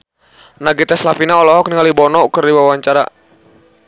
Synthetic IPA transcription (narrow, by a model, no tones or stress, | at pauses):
naɡit̪aslapinaɔlɔɦɔk̚niŋalibɔnɔkərdiwawaɲt͡ʃaɾa̰